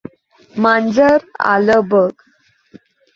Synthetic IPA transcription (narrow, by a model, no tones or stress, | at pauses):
mand͡zəɾa̰ləbəɡ